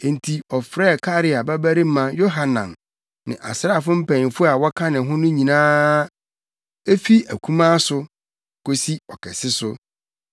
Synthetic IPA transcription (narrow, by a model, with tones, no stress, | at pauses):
n̩˨tʰi˨ɔ˨fɾɛː˦˨kʰa˦ɾɪ˨a˨bæ˦bæ˦ɾi˦m̩˦mã˦jo˦ɦa˨nã̰˨m | nɪ̰̃˨ʔa̰˨sɾa˦˨fʊ˦m̩˦pʰæ̃˨ɲ˨fʊ˦a˨wɔ˦kʰã˦nɪ̃˨ɦʊ̃˦nʊ̃˦ɲĩ˨nãː˦ | e˦fi˦æ̰˨kʰũ˦mãː˦sʊ˦ | ko˦si˦ɔ˨kʰɛ˨sɪ˦sʊ˦